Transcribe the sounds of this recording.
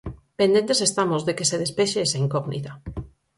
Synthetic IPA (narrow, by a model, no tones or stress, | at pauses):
pẽnd̪ent̪esest̪amozðekeseðespeʃeesaiŋkɔɣnḭt̪a